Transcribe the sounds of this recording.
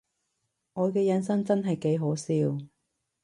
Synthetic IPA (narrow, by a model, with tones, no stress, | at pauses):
ŋɔː˨˧jkɛː˧jɐ˨˥nsɐ˥ŋt͡sɐ˥nɦɐ˨jke˨˥jɦo˨˥siː˧w